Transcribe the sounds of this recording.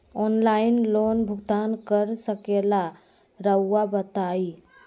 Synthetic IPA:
ɔnlainlonbʱuɡt̪ankəɾsəkela | ɾəwːabət̪ai

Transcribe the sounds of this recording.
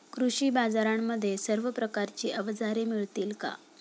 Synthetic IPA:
kɾuɕiːbad͡zaɾamːəd̪ʱːjesəɾʋəpɾəkaɾt͡ɕiːʔəʋd͡zaɾemiɭt̪iːlka̰

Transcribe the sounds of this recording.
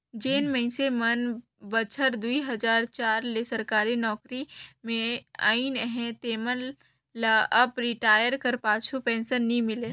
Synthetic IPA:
d͡ʒeːnmə̃ɪ̃semən | bət͡ʃʰəɾd̪uiɦɐd͡ʒaːɾt͡ʃaːɾlesɐɾkaːɾinɔːkɾimẽa̰ːinɦɛ̃t̪eːmənː | aʔɐpɾɪʈaːjəɾkəɾpaːt͡ʃʰupɛ̃ːnsənːĩmɪleː

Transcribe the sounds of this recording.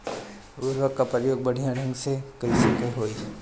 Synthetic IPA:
ʊɾʋəkːapɾjoːɡ̚bɐɽ̤ijãɽ̤ʱə̃ŋɡsekɐisəkəɦoːi

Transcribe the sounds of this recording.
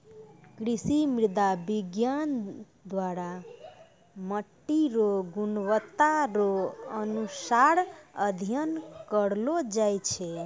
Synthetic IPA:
kɾisimiɾd̪abiɡjan | d̪waɾa | məʈːiɾoɡunwət̪ːaɾoənusaɾəd̪ʱijənkəɽlod͡ʒajt͡ʃʰɛ

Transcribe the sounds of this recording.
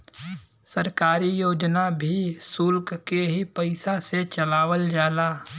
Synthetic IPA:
sɐɾkaːɾijoːd͡ʒnabʱisʊlkkeɦipəɪsaset͡ʃɐlaːwəld͡ʒaːlaː

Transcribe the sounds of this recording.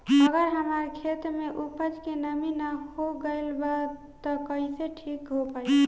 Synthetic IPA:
əɡəɾɦəməɾkʰet̪ɾmeʔupəd͡ʒkenəminahoɡəɪlbat̪ɔkəiseʈʰikɦopaj

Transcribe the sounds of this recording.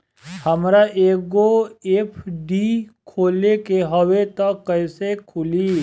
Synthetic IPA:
həmɾaʔeːkoepʰɖikʰoːlekeɦəwet̪əkːəɪsekʰʊli

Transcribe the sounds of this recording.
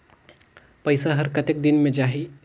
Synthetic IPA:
pɐjsaɦəɾkət̪ek̚d̪ɪnmẽd͡ʒaɦi

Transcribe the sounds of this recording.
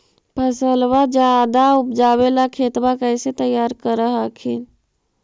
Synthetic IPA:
pʰəsəlwad͡ʒad̪aʊpd͡ʒaːwelakʰeːt̪bakəːset̪əjaːɾkəɾəɦakʰin

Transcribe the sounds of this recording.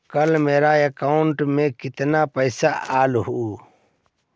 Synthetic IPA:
kəlmeːɾaekaːʊɳʈmẽkɪt̪napəɪsaʔaːlɦu

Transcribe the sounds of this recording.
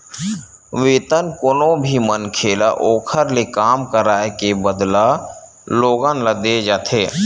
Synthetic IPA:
ʋeːt̪ənkʊnõbʱimənkʰeːlaʔoːkʰəɾlekaːmkəɾaːekebəd̪la | loːɡanləd̪ed͡ʒaːt̪ʰeː

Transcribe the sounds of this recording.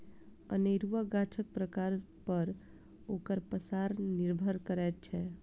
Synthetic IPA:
ə̰neɾuʋaɡaʈʰək̚pɾəkaːɾ | pəɾ | oːkəɾpəsaɾnɪɾbʱəɾkəɾɛːt͡ʃʰɛ

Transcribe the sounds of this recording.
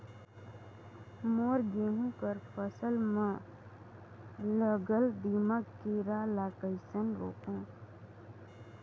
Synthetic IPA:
moːɾɡeːɦũkəɾpəsəlmã | ləɡəld̪iməkkiɾalakəɪsənɾo̰ːkõː

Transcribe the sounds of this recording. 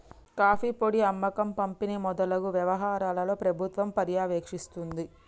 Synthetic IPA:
kaːfipoɽiɐmːɐkɐmpɐmpinimɔd̪ɐlɐɡuʋjɐʋɐɦaːɾaːlɐlo̞ːpɾɐbʱut̪ʋɐmpɐɾjaːʋeːkʂist̪und̪i

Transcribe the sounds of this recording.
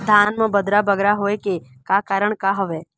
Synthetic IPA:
d̪ʱaːnmə̃bəd̪ɾabəɡɾaɦoeke | kakaːɾəɳ̃kaɦəʋeː

